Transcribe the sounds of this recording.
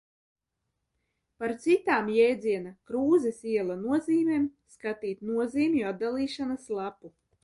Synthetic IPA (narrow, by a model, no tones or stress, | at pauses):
paɾt̪sit̪aːmjɛjd̪ziɛnakɾuːzɛsiɛlˠanuɔziːmʲeːmskat̪iːt̪nuɔziːmjuat̪̚d̪alˠiːʃanaslˠapu